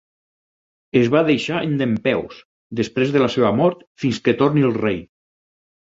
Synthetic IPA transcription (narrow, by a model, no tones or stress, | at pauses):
ezβaðejʃaend̪empɛws | d̪əspɾezðəlaseβəmɔɾt̪finsket̪oɾniəlˠrej